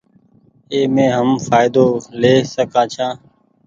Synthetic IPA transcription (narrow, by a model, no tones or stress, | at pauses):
eːmẽːɦəmfaːɪd̪oːleːsəkãːt͡ʃʰãː